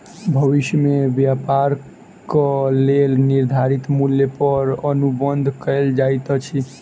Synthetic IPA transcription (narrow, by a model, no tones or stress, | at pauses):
bʱəʋiʃjəmebjapaɾ | kəlelniɾd̪ʱaɾit̪muljepəɾənubənd̪ʱkəld͡ʒajt̪ɔt͡ʃʰi